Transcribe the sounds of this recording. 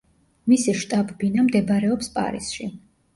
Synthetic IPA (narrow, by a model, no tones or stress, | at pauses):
misɛʃt̪ʼabbinamd̪ɛbɾɛɔpspʼa̰ɾḭsʃi